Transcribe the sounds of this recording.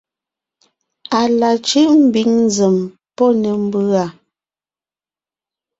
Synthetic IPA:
a˨la˨t͡ʃi˦ʔm̩˦bi˨˦ŋnzɛ˨m | pɔ˦nɛ˨m̩˦bɯ˦a˨

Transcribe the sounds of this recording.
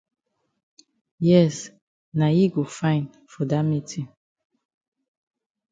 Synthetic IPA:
jɛ˦s | na˨ji˦ɡo˨fã˦ɪ̃n | fɔ˨da˦mi˦tʰĩ˨

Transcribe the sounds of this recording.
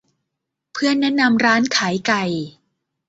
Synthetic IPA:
pʰɯ˥˩ənːɛ˦˥ʔna˧mɾaː˦˥nkʰaː˩˦jka˧j

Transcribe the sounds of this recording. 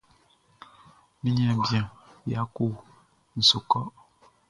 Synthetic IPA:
mi˦ɲɛ˦˨bjã˨ja˦ko˦˨ | n̩˨so˨kɔ˦

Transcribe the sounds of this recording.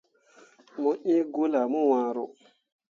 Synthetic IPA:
mɔ˦ʔĩ˦ɡo˦la˨mu˦wã˨ɾo˨

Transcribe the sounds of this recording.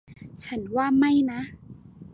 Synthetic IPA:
t͡ɕʰa˦˥nwaː˥˩ma˥˩jna˦˥ʔ

